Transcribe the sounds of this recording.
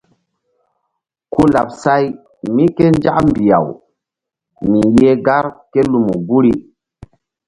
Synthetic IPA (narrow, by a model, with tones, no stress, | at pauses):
ku˦la˨p̚sa˦j | mi˦ke˦nd͡ʒa˦ʔmbi˨ja̰˨w | mi˨je˦ɡa˦ɾke˦lu˨mṵ˨ɡu˦ɾi˦